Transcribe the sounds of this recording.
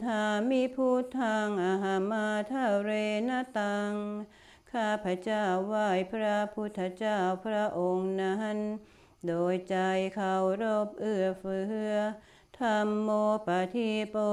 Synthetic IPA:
t̪ʰaː˧miː˧˥pʰuː˧˥˩t̪ʰaː˧ŋʔa˧ɦa˧maː˧t̪ʰa˧˥˩wɾeː˧na˧˥t̪aː˧ŋ | kʰaː˧˩pʰɾa˧t͡ɕaː˥˩wːaː˧˩jpʰɾa˧˥pʰu˧˥t̪ʰːa˧t͡ɕaː˥˩wpʰɾa˧˥ʔo˧ŋna˧ɦa˧˥n | doː˨˧jt͡ɕa˧jkʰa˧wɾo˧˩p̚ʔɯ˧˩ɐfɯː˧˩hɯ˧˥ə | t̪ʰa˧˩mːoː˧pa˧t̪ʰi˧˥˩po˧

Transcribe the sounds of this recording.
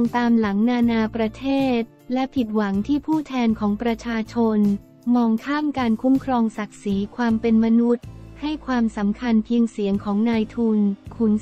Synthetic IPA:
ŋt̪aː˧mla˩˦ŋnaː˧naː˧pɾa˧t̪ʰeː˥˩t̪̚lɛ˦˥pʰi˨˩t̪̚wa˩˦ŋt̪ʰiː˥˩pʰuː˥˩t̪ʰɛː˧nkʰɔː˩˦ŋpɾa˧t͡ɕʰaː˧t͡ɕʰo˧n | mɔː˧ŋkʰaː˥˩mkaː˧nkʰu˦˥mkʰɾɔː˧ŋsa˨˩k̚siː˩˦kʰwaː˧mpe˧nma˧nu˦˥t̪̚ha˥˩jkʰwaː˧msa˩˦mkʰa˧npʰi˧əŋsi˨˩˦əŋkʰɔː˩˦ŋnaː˧jt̪ʰuː˧nkʰu˩˦n

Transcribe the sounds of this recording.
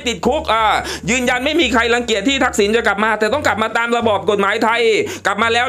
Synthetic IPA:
t̪i˨˩t̪̚kʰu˦˥k̚ʔaː˧˩jɯː˧nja˧nma˥˩jmiː˧kʰa˧jla˧ŋki˨˩ət̪ʰːiː˥˩t̪ʰa˦˥k̚si˩˦nt͡ɕa˨˩kla˨˩p̚maː˧t̪ɛː˨˩t̪ɔ˥˩ŋkla˨˩p̚maː˧t̪aː˧mɾa˧bɔː˨˩p̚ko˨˩t̪̚maː˩˦jt̪ʰa˧jkla˨˩p̚maː˧lɛː˦˥

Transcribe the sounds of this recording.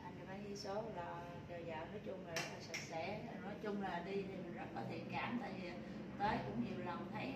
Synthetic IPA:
a˨˩˨kaː˨˦jhi˧so˨˦laː˨˩ | zəː˨˩jzaː˨˩nɔ˨˦jt͡ɕʊ˧ŋ͡mla˨˩˨t̪ʰə˨˧˩k̚sə˨˩t̚sɛ̰˧˥˨nɔ˨˦jt͡ɕʊ˧ŋ͡mlaː˨˩ɗi˧t̪ʰi˨˩mɨ˨˩nza̰ː˧˥kɔ˨˦t̪ʰḭ˧˨ənkaː˨˦mt̪a̰ː˧˨jvi˨˩ | t̪əː˨˦jkʊ̰˧˥ŋ͡mɲi˨˩əwlə˨˩wŋ͡mt̪ʰa˨˧˦j

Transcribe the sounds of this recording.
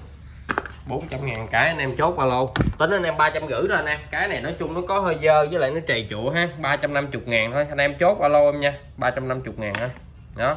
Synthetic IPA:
ɓo˨˦nt͡ɕa˧mŋaː˨˩ŋkaː˨˦jʔa˧nʔɛ˧mt͡ɕo˦˥t̚vaː˧lo˧wt̪ə˨˦nʔa˧nʔɛ˧mɓaː˧t͡ɕa˧mɣɨ̰˧˩ɗɔ˨˦ʔa˧nʔɛ˧mkaː˨˦jna˨˩jnɔ˨˦jt͡ɕʊ˧ŋ͡mnɔ˨˦kɔ˨˦ɦəː˧jzəː˧zəː˨˦l̰ːjnɔ˨˦t͡ɕə˨˩jt͡ɕṵ˧˨ɦaː˨˧ɓaː˧t͡ɕa˧mna˧mt͡ɕʊ˨˩k͡p̚ŋaː˨˩ŋt̪ʰo˧jʔa˧nʔɛ˧mt͡ɕo˦˥t̚vaː˧lo˧wʔə˧mɲaː˧ | ɓaː˧t͡ɕa˧mna˧mt͡ɕʊ˨˩k͡p̚ŋaː˨˩nʰə˨˧˦j | ɗɔ˨˦

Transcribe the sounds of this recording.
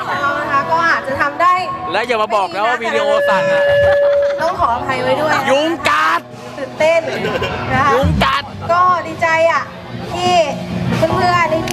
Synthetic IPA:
a˧˥˩na˧˩kʰa˦˥˩kɔː˥˩haː˨˩t̚t͡ɕa˨˩t̪ʰa˧mdaː˥˩jlɛː˦˥wjaː˨˩maː˧bɔː˨˩k̚lɛː˧˦˥waː˥˧miː˧ni˧˥˧ʔoː˧saː˨˩t̪̚a˧˩˧t̪ɔː˥˩ŋkʰɔː˩˦ʔa˧pʰa˧jwa˦˥jdu˥˩ɐjju˧˥˩ŋka˧˥t̪̚ | t̪ɯ˨˩nt̪e˥˩nkʰa˦˧˥u˧˥ŋka˨˧˩t̪̚kɔː˥˩˨diː˧t͡ɕa˧jʔa˨˩ | t̪ʰiː˥˩sʰɯ˧˥˩ŋmɯ˥˧˩ɐni˧˥˩

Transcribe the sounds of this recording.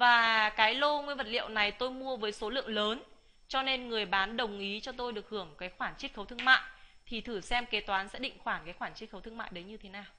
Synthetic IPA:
vaː˨˩kaː˨˦jlo˧ŋwi˧ənvə˨˩t̚lḭ˧˨əwna˨˩jt̪o˧jmu˧əvəː˨˦jso˨˦lɨ̰˧˨əŋləː˨˦n | t͡ɕɔ˧ne˧nŋɨ˨˩əjɓaː˨˦nɗə˨˩wŋ͡mʔi˨˦t͡ɕɔ˧t̪o˧jɗɨ˨˩ək̚hɨ˧˩əŋkaː˨˦jxwaː˧˩nt͡ɕi˦˥t̚xə˨˦wt̪ɨ˧əŋma̰ː˧˨jt̪ʰi˨˩t̪ʰɨ˧˩sɛ˧mke˨˦t̪waː˨˦nsɛ̰˧˥ɗḭ˧˨ŋ̟xwaː˧˩ŋkaː˨˦jxwaː˧˩nt͡ɕi˦˥ə˦wt̪ʰɨ˧əŋma̰ː˧˨jɗə˨˦jɲɨ˧t̪ʰe˨˦naː˨˩w

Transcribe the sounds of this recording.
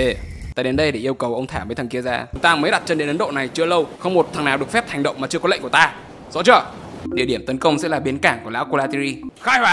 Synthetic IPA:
e˨˩t̪aː˧˩˨ɗe˨˦nɗə˧jɗe˧˩ʔi˧əwkə˨˩wʔə˧wŋ͡mt̪ʰaː˧˩məː˨˦jt̪ʰə˨˩ŋki˧əzaː˧˩t͡ɕʊ˨˦ŋ͡mt̪aː˧məː˨˦jɗa˨˩t̚t͡ɕə˧nɗe˨˦nʔə˨˦nɗo̰˧˨na˨˩jt͡ɕɨ˧ələ˧wxə˧wŋ͡mmo˨˩t̚t̪ʰa˨˩ŋnaː˨˩wɗɨ˨˩əkfɛ˦˥p̚hʰɛ˨˩ŋ̟ɗə̰˧˨ŋ͡mmaː˨˩t͡ɕɨ˧əkɔ˦lə̰˧˨ŋku˧˩t̪aː˧ | zɔ̰˧˥t͡ɕə˧ | ɗḭ˧˨əɗi˧˩əmt̪ə˨˦nkə˧wŋ͡msɛ̰˧˥laː˨˩ɓi˨˦ənkaː˧˩ŋku˧˩la̰ː˨˥wko˧laː˧t̪i˧ɾi˧xaː˧jhwaː˧˦

